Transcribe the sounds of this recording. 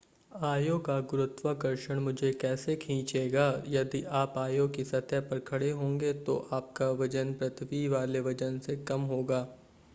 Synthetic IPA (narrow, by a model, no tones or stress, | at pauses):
aːjõkaɡʊɾʊt̪ʋakɐɾʃəɽ̃mʊd͡ʒʱekɛːsekʰĩːt͡ʃeːɡaːjɐd̪iʔaːpaːjõkisɐt̪japɐɾkʰɐɽeɦõːŋɡet̪oʔaːp̚kaʋɐd͡ʒənpɾɐt̪ʰʋiʋaːleʋɐd͡ʒənsekɐmɦoːɡaː